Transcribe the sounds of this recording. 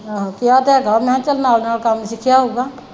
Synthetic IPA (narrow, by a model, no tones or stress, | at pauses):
kijat̪ɛɡʱəmɛ̃ãt͡ʃəlnanalkamsɪkʰijaɦoːɡaː